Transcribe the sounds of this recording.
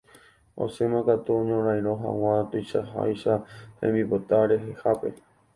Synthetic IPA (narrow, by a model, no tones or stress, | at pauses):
o̰semãkat̪uõɲõɾãj̃ɾ̃oɦã̰w̃ãt̪ojʃaɦa̰jʃahḛ̃mbipot̪aɾe̞ɦe̞hape̞̰